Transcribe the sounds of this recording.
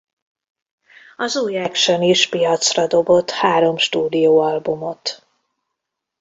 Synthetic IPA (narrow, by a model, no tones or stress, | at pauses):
ɒzuːjɛkʃøniʃpijɒt̪srɒd̪o̞bo̞t̪ːhaːɾo̞mʃt̪uːd̪ijoːɒlbumo̞t̪